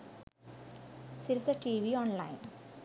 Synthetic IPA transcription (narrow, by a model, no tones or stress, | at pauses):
siɾisɐʈiːʋioːnla̰jn